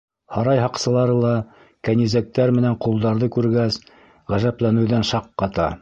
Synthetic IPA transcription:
hɑɾɑjɦɑqsɤ̆lˠɑɾɤlˠɑ | kænizæk̚t̪æɾmɘ̆næɴqulˠd̪ɑɾðɤkʉɾɡæs | ʁæʒæplænɘ̆wðænʃɑqːɑt̪ɑ̰

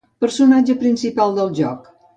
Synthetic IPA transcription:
pəɾsunad͡ʒəpɾinsipalˠd̪əlˠʒɔk

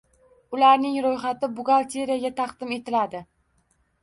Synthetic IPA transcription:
ʊlaɾnɪŋɾojχat̪ɪbʊɡalˠt̪ʰeɾijaɡʲat̪ʰɑqd̪̥ɪme̞t̪ʰɪlad̪ɪ

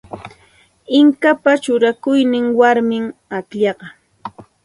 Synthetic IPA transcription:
ɪŋkapat͡ʃʊɾakʊjnɪŋwaɾmɪŋakʎɑɢɑ

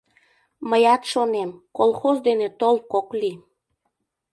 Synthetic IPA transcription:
məjɑt̪ʃonemkolxozd̪enet̪olkokli

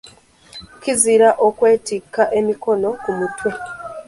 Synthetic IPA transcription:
kiziɾaʔokwe̞ːtikːaʔe̞miko̞no̞kumutwe̞

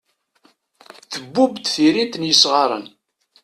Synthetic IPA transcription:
θəbːubt̪θiɾint̪ənjəsʁɑɾˤə̰n

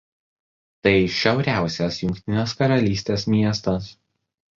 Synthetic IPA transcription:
t̪ɐɪʃʲɛʊɾʲæˑʊsʲɛsjʊŋʲkʲt̪ʲɪnʲeːskɐɾɐlʲiːsʲt̪ʲeːsmʲiɛst̪ɐs

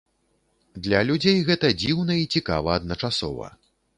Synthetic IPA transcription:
d̪lʲɐlʲud͡zʲejɣɛt̪ɐd͡zʲiwnɐit͡sʲika̰vɐːd̪nɐt͡ʂasɔ̰vɐ̰

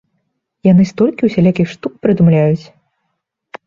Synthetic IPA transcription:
janɨst̪ɔlʲkʲiuwsʲɛlʲakʲixʂt̪uk̚pɾɨd̪umlʲajut͡sʲ

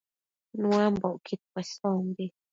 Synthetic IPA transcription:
nũãmboʔkit̪̚pwesombi

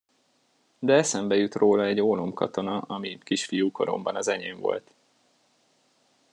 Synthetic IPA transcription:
d̪ɛɛsɛmbɛjut̪roːlɒɛɟoːlo̞mkɒ̰t̪o̞nɒɒmikiʃfijuːko̞ɾo̞̰mbɒnɒzɛɲeːɱvo̞̰lt̪

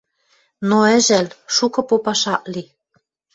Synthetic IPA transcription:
noɘ̆ʒælʃukɤ̆popɑʃɑʔli

